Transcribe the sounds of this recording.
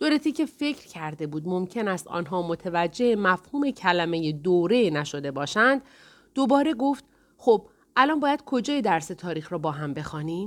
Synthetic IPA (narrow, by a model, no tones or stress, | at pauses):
d̪̥oɾet̪ʰiːcʰe̞fe̞cʰɾ̥cʰæɾd̪e̞buːd̪mo̞mcʰe̞næst̪ɒ̰ːnɦɒːmot̪ʰevæd͡ʒːe̞hemæfhuːme̞cʰælæme̞jed̪oːɾe̞næʃo̞d̪e̞bɒːʃænd̪ | d̥̪ːobɒːɾe̞ɡo̞ft̪ | xob̥ | ʔælɒːnbɒːjæd̪̥kʰo̞d͡ʒɒːjed̪æɾse̞t̪ʰɒːɾiːxɾɒːbɒːɦæmbe̞xɒːniːm